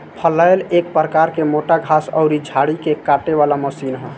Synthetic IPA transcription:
pʰəlaelek̚pɾəkaɾkemoʈaɡʱasɔ̰ʊɾid͡ʒʱaɽikekaʈeʋalaməsinɦɔ̰̃

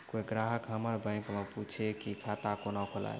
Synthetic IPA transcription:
koiɡɾaɦəkɦəməɾbə̃ɪŋkmeput͡ʃʰekikʰat̪akonakʰola̰j̰

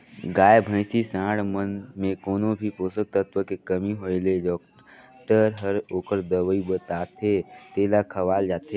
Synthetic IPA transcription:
ɡaːjbʱə̃ɪsisãːɽmənmẽkoːnobʱipoːsək̚t̪ət̪ʋəkekəmiɦoːeleɖɔːk̚ | ʈəɾɦəɾoːkəɾd̪əwəibət̪aːt̪et̪eːlakʰɐʋaːld͡ʒaːt̪e

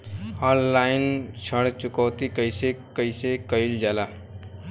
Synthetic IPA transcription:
ɔ̃ːnlaːɪnt͡ʃʰəɽt͡ʃʊkɔːt̪ikəɪsekəɪsekəɪld͡ʒaːla

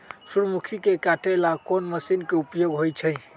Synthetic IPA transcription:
suɾmukʰikekaʈʰelakonməsinkeupjoɡɦojt͡ʃʰəj

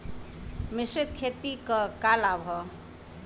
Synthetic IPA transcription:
mɪsɾit̪̚kʰet̪ikəkalaːbʱɔ

